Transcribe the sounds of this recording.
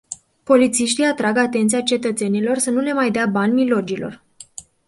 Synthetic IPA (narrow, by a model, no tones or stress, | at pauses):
po̞lit̪siʃt̪ijat̪ɾaɡat̪e̞nt̪sijat͡ʃe̞t̪ət̪se̞nilo̞rsənule̞majd̪eabanʲmilo̞d͡ʒilo̞̰r